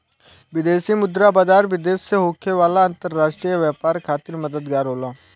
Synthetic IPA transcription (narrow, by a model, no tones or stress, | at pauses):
ʋɪd̪eːsiːmʊd̪ɾaːbaːd͡ʒaːɾʋɪd̪eːsːeɦoːkʰeʋaːlaə̃nt̪əɾːaːʃʈɾiəʋɛːpaːɾkʰaːt̪ɪɾməd̪əd̪ɡaːɾɦoːlaː